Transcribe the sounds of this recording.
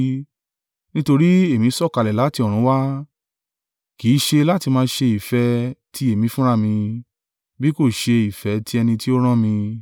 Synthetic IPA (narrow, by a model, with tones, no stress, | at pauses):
nĩ˦to˧ɾi˦e˦˨mĩ˧˦sɔ˦˨ka˨lɛ˨la˨˦ti˧ɔ˨ɾ̃ũ˨˦wa˦ | kiː˨˦ʃe˧la˦ti˧mãː˧ʃe˧i˨fɛ˧tʰi˦e˨mĩ˧fũ˦ɾa˦˨mĩ˧ | bi˦ko˦˨ʃe˧i˨fɛ˨˦tʰi˦ɛ˧nĩ˧ti˦o˦ɾ̃ã˦mĩ˧